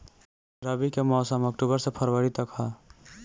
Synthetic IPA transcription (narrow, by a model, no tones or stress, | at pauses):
ɾəbikemɔːsəmək̚ʈubəɾsepʰəɾwəɾit̪əkɦa